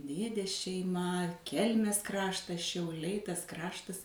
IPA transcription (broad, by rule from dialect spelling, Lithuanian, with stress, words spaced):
ˈdʲeːdʲeːs ʃʲɛɪˈmɐ ˈkʲɛlʲmʲeːs ˈkrɑːʃtɐs ʃʲɛʊˈlʲɛɪ ˈtɐs ˈkrɑːʃtɐs